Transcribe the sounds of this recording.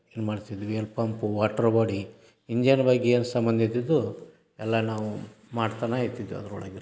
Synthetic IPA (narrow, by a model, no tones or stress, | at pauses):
eːnmaːɖit̪id̪ʋelpɐmpuʋaːʈɐɾbaːɽi | iɲd͡ʒanbaːɡieːnsɐmbɐnd̪ʱit̪̬id̪ːu | ɛlːɐnaːʋu | maːɖt̪aːnait̪ːid̪ʋiɐ̰d̪ɐɾṵɭa̰ːɡiɾ